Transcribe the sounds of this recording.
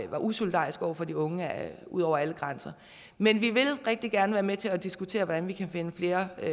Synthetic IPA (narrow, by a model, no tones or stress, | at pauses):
ʋɑ̈ʔuso̝lid̥ɑ̰̈ːisɡ̥ɒ̰ʊɐfɒ̽d̥iɔ̽ŋəæṵð̞̰ˠɒʊɐæləɡ̥ʁansɐ | menʋiʋe̝lʁɛɡ̥̚d̥iɡ̥æɐnəʋæːɐmet͡sʰe̝læd̥isɡ̥ut͡sʰe̝̰ːɐʋɒd̥ænʋikʰæfe̝nəfle̝ːɐ